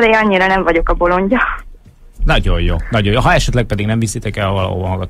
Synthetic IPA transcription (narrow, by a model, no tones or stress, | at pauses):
d̪eːɒɲːiɾɒnɛɱvɒɟo̞kɒbo̞lo̞ɲɟɒ | nɒɟo̞joːnɒɟojoɦɒɛʃɛt̪lɛk̚pɛd̪iɡnɛɱvisit̪ɛkɛlɒvɒlɒ̰ɦo̰ːbɒɦɒɡɒt̪